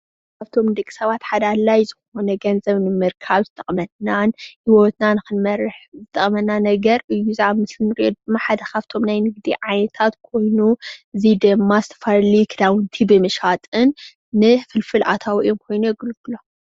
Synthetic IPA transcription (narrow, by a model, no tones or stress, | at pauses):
kʰaβt̪ʰo̞mnɨd̪ɨkʼi̥sɐβat̪ħad̪alajzɨxo̞nɐɡɐnzɐβnɨmɨɾkʰaβzɨt̪ʼɐχʼmɐd̪nanhiwot̪nanɨxɨnmɐɾɨħzɨt̪ʼɐχʼmɐnːanɐɡɐɾʔɨjːuzamɨsɨnɾɨjod̪ɨmːaħad̪ɐkʰaβt̪ʰo̞mnajnɨɡ̚d̪iʕajnɐt̪ʰat̪kʰo̞jnuɨzid̪ɨmːazɨt̪ʰɐ̥faɾlikʰɨd̪awɨnt̪ʰibɨmɨʃat̪ʼɨnː | ɨfɨlfɨlʔa̰t̪ʰawɨjomkʰo̞jnujɛɡɨlɡɨlo